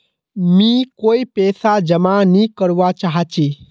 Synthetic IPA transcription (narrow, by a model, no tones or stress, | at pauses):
mĩkoːipɛːsad͡ʒəmanikəɾʋat͡ʃaɦat͡ʃi